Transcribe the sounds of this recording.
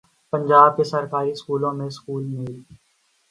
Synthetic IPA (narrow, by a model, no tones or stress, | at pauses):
pɐ̃ɲd͡ʒaːb̚kesɐɾkaːɾiskuːlõmẽskuːlmɪli